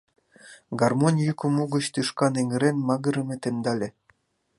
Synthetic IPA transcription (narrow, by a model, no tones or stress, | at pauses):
ɡɑrmonʲjukomuɡə̆t͡ɕt̪ɯʃkɑneŋɘ̆ɾenmɑɣɤ̆ɾɤ̆mʲĕt̪end̪ɑlʲĕ